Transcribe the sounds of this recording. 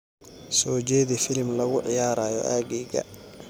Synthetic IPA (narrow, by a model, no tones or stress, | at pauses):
sɔːd͡ʒɛːðifɪlmlɐɣʊʕɪjaːɾaːjɔ̰ʔaːɡɛːɡɐ̰